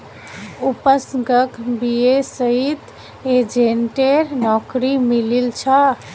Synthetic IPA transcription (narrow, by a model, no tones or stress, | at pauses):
upəsɡəkbiesəɦit̪ | ed͡ʒenʈeɾnɔkɾimililt͡ʃʰa